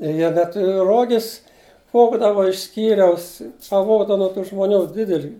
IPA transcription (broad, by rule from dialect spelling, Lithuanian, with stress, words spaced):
ɪ ˈjiɛ dɐ ˈtʊrʲɪ ˈroːɡʲɪs ˈʋoːɡdɐʋɐ ɪʃ ˈsʲkʲiːrʲɛʊs pɐˈʋoːɡdɐʋɐ nuɔ tuː ʒmoːˈnʲuː ˈdʲɪdʲɛlʲiː